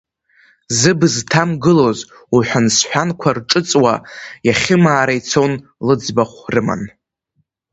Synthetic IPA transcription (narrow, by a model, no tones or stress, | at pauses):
zɨbztʰamɡɨlo̞z | uħʷᶣansħʷᶣankʷʰarʈ͡ʂʼɨt͡sʼwa̰jaχʲɪmaːɾajt͡sʰon | lɨd͡zbaχʷrɨma̰n